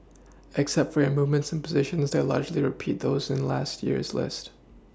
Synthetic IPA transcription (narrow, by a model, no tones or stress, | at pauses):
ʔɨksɛp̚tfə˞ɨmuvmɨ̃ntsn̩pʰəzɪʃɨ̃nzðeɪlɑ̰ɹd͡ʒliɹɨpʰit̪̚ðoʊzɨ̃nlæst̚jɪ̰ɹzlɪ̰st̚